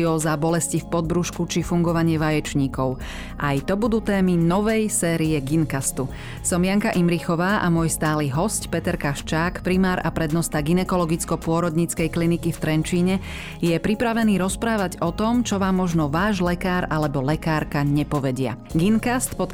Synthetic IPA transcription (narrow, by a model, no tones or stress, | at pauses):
ɔzabɔlɛscifpɔd̪̚bɾuʃkut͡ʃifuŋɡɔʋaɲɪɛʋajɛt͡ʃɲiːkɔʊ | ʔajt̪ɔbud̪uːt̪ɛːminɔʋɛjsɛːɾiɛɡinkast̪u | sɔmjaŋkaʔimɾixɔʋaːʔamʊɔjst̪aːliɦɔscpɛt̪ɛɾkaʃt͡ʃaːkpɾimaːɾapɾɛd̪nɔst̪aɡinɛkɔlɔɡit͡skɔpʊɔɾɔd̪ɲit͡skɛjklinikift̪ɾɛnt͡ʃiːɲɛ | jɛpɾipɾaʋɛniːɾɔspɾaːʋaɟɔt̪ɔmt͡ʃɔʋaːmːɔʒnɔʋaːʒlɛkaːɾalɛbɔlɛkaːɾkaɲɛpɔʋɛɟɪa̰ɡinkast̪pɔt̪